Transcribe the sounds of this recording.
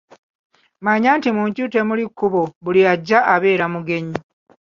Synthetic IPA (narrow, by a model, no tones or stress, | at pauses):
maɲaːntimuːɲcute̞mulikːuβoβulijaɟːaʔaβe̞ːɾamuɡe̞ɲi